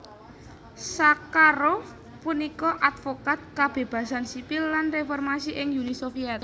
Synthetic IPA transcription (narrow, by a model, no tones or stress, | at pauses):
sakaɾo | punikɔʔat̪fokat̪̚kab̥e̤b̥ä̤sansipɪlːanrefɔrmasiʔɪŋjunisofiɛt̪̚